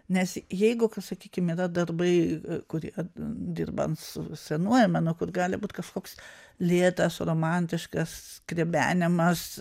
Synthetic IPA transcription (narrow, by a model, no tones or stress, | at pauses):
nʲɛsjɛɪɡʊkɐsɐkʲiːkʲɪmiːɾɐd̪ɐrbɐɪkʊɾʲiɛd̪ʲɪ̰rbɐ̰ntsʊsʲɛnuɔjɛmɐnokʊrɡɑːlʲɪbuːt̪kɐʃkoːkslʲeːt̪ɐsroːmɑnʲt̪ʲɪʃkɐskrʲeɛbʲæ̰ːnʲɪmɐs